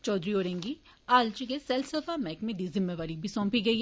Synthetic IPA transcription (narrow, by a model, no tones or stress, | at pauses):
t͡ʃɔːd̪ɾioːɾẽːŋɡiaːlt͡ʃikesɛlsəfaːmɛːkmẽd̪iːzɪmːeʋaːɾibʱisɔ̃ːmpiɡɐiː